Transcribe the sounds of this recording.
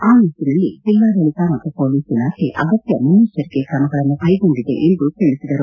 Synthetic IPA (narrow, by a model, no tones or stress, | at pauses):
aːnisinɐlːḭtilʋaːd̪ɐɭikamɐt̪ːupo̞ːliːsilaːkʰeʔɐɡɐt̪jɐmɐniʃɐɾiɡekɾɐmɐɡɐɭɐnːukɐjɡo̞ɳɖid̪e̞̰ʔend̪ukeɭisid̪ɐɾu